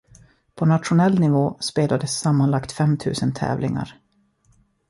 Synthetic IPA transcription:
pʰɔnat̪ɧʊnɛlːnɪvoːspeːlad̪əsːamːanlakt̪fɛmt̪ʰʉ̟ːsənt̪ʰɛ̰ːvlɪŋa̰ɾ

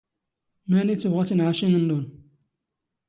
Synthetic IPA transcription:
mænit͡sːuʁat͡sinʕaʃinənːun

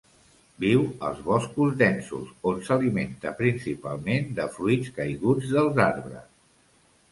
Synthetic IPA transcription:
biwə̰lˠzβɔskuzdɛnsṵzonsəliment̪əpɾinsipa̰lˠmend̪əfɾuitt͡skəjɣud͡zðəlˠzaɾβɾə̰s

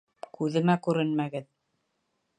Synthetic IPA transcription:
kʉðɘ̆mækʉɾɘnmæɡɘð

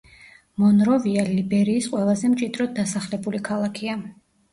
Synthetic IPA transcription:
mɔnɾɔvialibɛɾiːsqʼwɛlˠazɛmt͡ʃʼid̪ɾɔd̪̚d̪asaχlɛbulikʰalˠakʰia

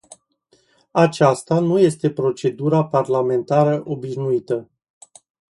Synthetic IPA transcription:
at͡ʃast̪anuje̞st̪e̞pɾo̞t͡ʃe̞d̪uɾaparlame̞nt̪aɾəʔo̞biʃnuit̪ə

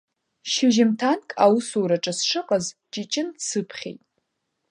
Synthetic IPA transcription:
ʃɪʒɪmtʰankʼawusuɾaʈ͡ʂʼasʂɨqʼazt͡ʃʼit͡ʃʼɪndsɨpʰχʲḛjtʼ

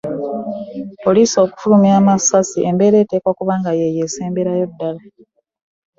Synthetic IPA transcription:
po̞liːso̞ːku̥fulumiaːmasasiʔe̞mbe̞ːɾe̞ːte̞ːkwakuβaːŋɡajejeseːmbeɾajo̞dːala

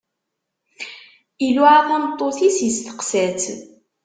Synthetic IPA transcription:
iluʕaθæmt̪ˤːoθisjəst̪ə̥qsæt͡s

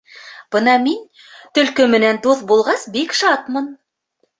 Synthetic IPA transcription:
b̥ɤnɑmin | t̪ɵ̆lkɵmɘ̆nænd̪uθbulˠʁɑsbikʃɑt̪mɤn

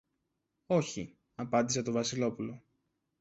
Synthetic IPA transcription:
o̞çi | ɐpɐnd̪ise̞t̪o̞vɐsilo̞pulo̞

